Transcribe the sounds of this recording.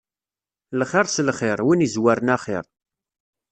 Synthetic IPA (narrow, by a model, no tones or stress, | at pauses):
lχɪɾˤslχɪɾˤwinizwæɾənaχɪ̰ɾˤ